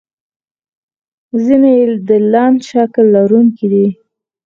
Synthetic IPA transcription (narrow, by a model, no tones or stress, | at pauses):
zinejed̪əlɑnd̪ʃaklːaɾuŋkid̪i